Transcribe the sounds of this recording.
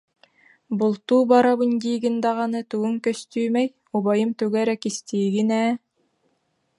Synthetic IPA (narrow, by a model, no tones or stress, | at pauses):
bulˠt̪uːbɑɾɑbunʲd̪iːɡɘnd̪ɑʁɑnɯt̪uɡɵŋkœst̪yːmæj | uβɑjɯmt̪ʉɡæɾækist̪iːɡinæː